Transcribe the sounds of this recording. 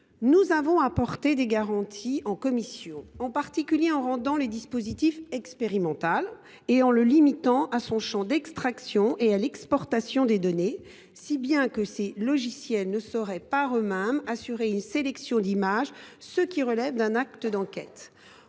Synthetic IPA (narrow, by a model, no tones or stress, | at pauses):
nuzavɔ̃apɔʁt̪ed̪eɡaʁɑ̃t̪ʰiɑ̃kɔmisjɔ̃ɑ̃paʁt̪ikʲyljeɑ̃ʁɑ̃d̪ɑ̃led̪ispozit̪ifɛkspeʁimɑ̃t̪al | eɑ̃ləlimit̪ɑ̃ʔasɔ̃ʃɑ̃d̪ɛkst̪χaksjɔ̃ʔealɛkspɔʁt̪asjɔ̃d̪ed̪ɔne | sibjɛ̃kəselɔʒisjɛlnəsɔʁɛpaʁømɛmasyʁeynselɛksjɔ̃d̪imaʒsəkʲiʁəlɛvd̪ɛ̃nakt̪əd̪ɑ̃kʲɛ̰t̪